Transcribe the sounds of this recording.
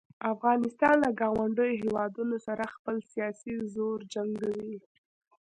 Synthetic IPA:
afɣɑnɪst̪ɑnlaɡɑwaɳɖəjoɦewɑd̪unosaɾaxpəlsijɑsizoɾd͡ʒaŋɡawi

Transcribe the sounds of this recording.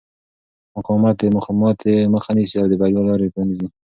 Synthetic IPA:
mʊqɑmat̪̚d̪emʊxɑmɑt̪eməxanisiawd̪əbaɾjɑlɑɾepɑnizi

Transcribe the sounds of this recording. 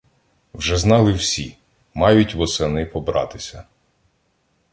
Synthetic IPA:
wʒɛznɑlˠɪwsʲḭ | mɑjʊtʲʋɔsɛnɪpɔbɾɑ̰t̪ɪsʲɐ

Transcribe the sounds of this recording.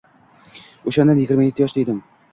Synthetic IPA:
oʃand̪anjɪɡʲɪɾmajet̪ːɪjɒʃd̪ejd̪ɪm

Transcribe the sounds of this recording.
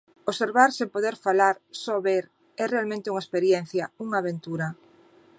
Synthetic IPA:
oseɾβaɾsempoðeɾfalaɾsɔβeɾ | ɛrealmẽnt̪euŋaespeɾjenθjauŋaːβent̪uɾɐ

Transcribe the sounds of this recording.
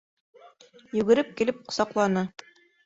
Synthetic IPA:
jʉ̆ɡɘ̆ɾɘp̚kilɘp̚qŏ̥sɑqlˠɑnɤ

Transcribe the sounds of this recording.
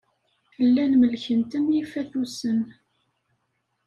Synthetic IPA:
θəlːænməlçənt̪ənjifæθusən

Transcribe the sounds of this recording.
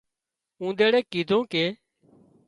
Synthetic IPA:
ũːd̪eːɽeːkiːd̪ʱõːkeː

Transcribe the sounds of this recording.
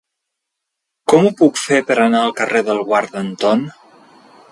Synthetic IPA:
kɔmupukfepəɾənaəlˠkəreðəlˠɣwaɾðənt̪ɔn

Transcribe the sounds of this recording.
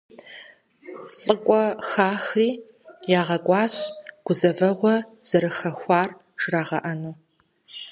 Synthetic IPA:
ɬʼɨkʷʼɔxaːxiː | jaːʁɐkʷʼɑːɕɡ̥ʷʊzɐvɐʁʷɔz̥ɐɾɨxɐxʷɑːr | ʒ̥raːʁɐ̰ʔɐnuː

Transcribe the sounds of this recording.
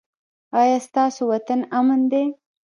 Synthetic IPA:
ɑjɑst̪ɑsowat̪anamand̪e

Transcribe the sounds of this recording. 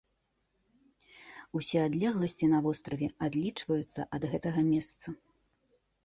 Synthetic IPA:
usʲɛad̪lʲɛɣlˠɐsʲt͡sʲinɐvɔst̪ɾɐvʲɛad̪lʲit͡ʂvɐjut̪sːɐ̰ʔɐd̪ɣɛt̪ɐɣɐmʲɛst̪sɐ

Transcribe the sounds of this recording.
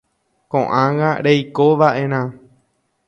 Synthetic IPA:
kõʔãŋɡã̰ɾejkoʋaʔẽ̞ɾ̃ã

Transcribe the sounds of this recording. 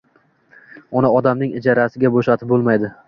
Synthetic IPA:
ɒnaɒd̪amnɪŋɪd͡ʒɒɾasɪɡʲaboʃat̪ʰɪp̚bolˠmajd̪ɪ

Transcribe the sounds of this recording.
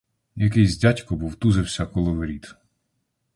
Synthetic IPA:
jɐkɛjzʲdʲatʲkɔbuwt̪uzɪwsʲɐkɔlˠɔʋeɾʲit̪

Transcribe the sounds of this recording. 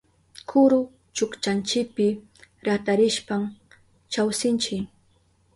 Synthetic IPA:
kʰʊɾʊ | t͡ʃʊkt͡ʃant͡ʃɪk̚pɪ | ɾat̪aɾɪʃpam | t͡ʃawsɪnt͡ʃɪk

